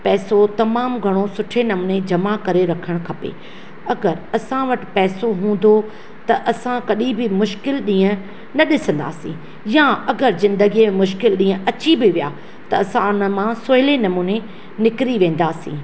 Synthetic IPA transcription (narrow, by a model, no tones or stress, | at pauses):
pɛːsot̪ɐmaːmɡʱɐɽ̃osʊʈʰenɐmuːned͡ʑɐmakɐɾeɾɐkʰəɽ̃kʰɐpḛ | ɐɡəɾɐsãʋɐʈɪ̥̆pɛːsoɦũːn̆d̪o | t̪ɐʔɐsãkɐɗĩbɪmʊʃkɪlɗĩːə̃ | nɐɗɪsə̃nd̪a̰ːsĩː | jãɐɡəɾzɪ̃nd̪əɡimẽmʊʃkɪlɗĩːə̃ʔɐt͡ɕibɪʋija̰ː | t̪ɐɐsãnəmãsoːɦɪlenɐmuːne | nɪkɾiʋẽːn̆d̪aːsḭ̃ː